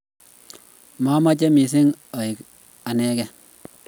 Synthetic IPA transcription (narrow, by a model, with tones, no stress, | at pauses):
ma˦ma˦t͡ʃɛ˦mi˨s̬ɪ˦ŋa˨ɪ˨k | a˨nɛː˦kɛ˨